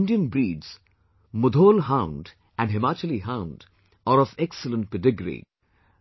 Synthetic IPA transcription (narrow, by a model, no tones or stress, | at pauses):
nɖijə̃nbɾiːɖz̥ | mʊd̪ʱoːlɦãʊ̃nɖ | æ̃ɳɖɦɪmaːt͡ʃəliɦãʊ̃nɖ | ɔɾɔfɛksələ̃nʈ̚peɖɪɡɾḭ